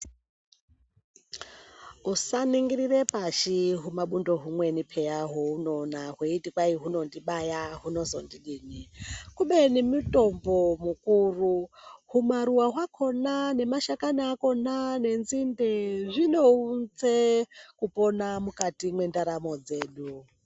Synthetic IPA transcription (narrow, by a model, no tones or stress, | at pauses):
usaniŋɡiɾirepaʃiɦumaɓundo̞ɦumwe̞nipʰejaɦouno̞naɦweitikwaiɦuno̞ndiɓajaɦuno̞zondiɗiːnikuɓenimuto̞mbomukuːruɦumaɾuwaɦwakʰo̞nane̞maʃakanaːko̞nane̞nzindeʐino̞und͡zekupo̞namukatimwe̞ndaɾamo̞d͡ze̞ːɗu